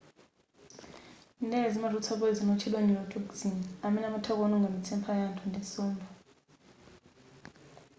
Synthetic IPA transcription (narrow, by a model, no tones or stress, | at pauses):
ndʱɛzimarʱut͡sʰaɓɔizinɔt͡ʃʰɛlweniwɔtʰukzinamɛnamutʰak̬ɔnuŋɡʱamit͡sʰɛmpʰajantʰɔndʱɛsɔːmbʱa